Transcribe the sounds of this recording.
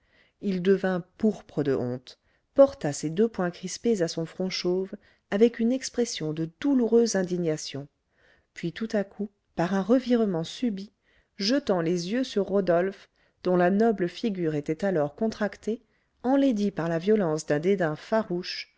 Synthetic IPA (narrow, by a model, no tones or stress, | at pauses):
ild̪əvɛ̃puʁpχəd̪əʔɔ̰̃t̪ | pɔʁt̪ased̪øpwɛ̃kχispezasɔ̃fχɔ̃ʃov | avɛkynɛkspχesjɔ̃d̪əd̪uluʁøzɛ̃d̪iɲasjɔ̃ | pɥit̪ut̪akʰu | paʁɛ̃ʁəviʁmɑ̃sybi | ʒət̪ɑ̃lezjøsyʁːod̪ɔlf | d̪ɔ̃lanɔbləfiɡʲyʁet̪ɛt̪alɔʁkɔ̃t̪χakt̪e | ɑ̃led̪ipaʁlavjɔlɑ̃sd̪ɛ̃d̪ed̪ɛ̃faʁuʃ